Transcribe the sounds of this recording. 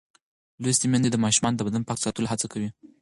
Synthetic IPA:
lojst̪imjand̪ed̪əmɑʃumɑnod̪əbad̪anpɑksɑt̪əlɦat͡sakawi

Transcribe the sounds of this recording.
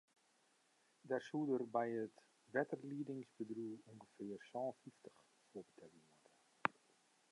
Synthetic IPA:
dɛrsudərbɛjət | ʋɛtərliədɪŋsbədruːuŋɡəfɪːərsɔ̃ːfiftə̥x | foəbətʰɛlimɔtə

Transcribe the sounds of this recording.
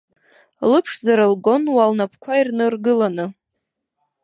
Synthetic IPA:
lɨpʰʂzaɾɨlɡo̞nwalnapʰkʷʰairnɨrɡɨlanɨ

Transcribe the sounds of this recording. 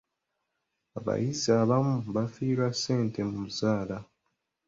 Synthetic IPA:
aβa̰jizaβamuβafiːɾwasːe̞ːntemumuzaːla

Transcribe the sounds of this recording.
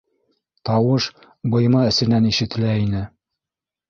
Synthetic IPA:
t̪ɑwɤʃ | bɤ̆jmɑɘ̆sɘ̆næniʃɘ̆t̪ɘ̆læinɘ

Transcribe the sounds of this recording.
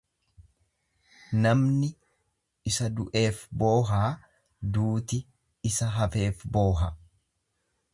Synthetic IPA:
nɐmnɪ | ɪsɐd̪ʊʔe̞ːfbo̞ːɦaː | d̪uːt̪ɪ | ɪsɐɦɐfe̞ːfbo̞ːɦɐ

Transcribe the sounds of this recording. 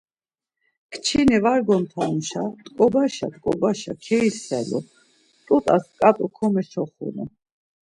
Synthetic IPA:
kʰt͡ʃʰinɛvaɾɡɔnt̪ʰanuʃat̪ʼkʼɔbaʃat̪ʼkʼɔbaʃa̰kʰɛisɛlɔ̰ | t̪ʼut̪ʼaskʼat̪ʼɔkʰɔmɛʃʰɔχṵnɛ̰

